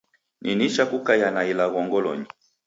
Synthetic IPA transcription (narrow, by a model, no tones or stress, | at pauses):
nʔiniʃakukajanailaɣɔŋɡɔlɔ̰ɲi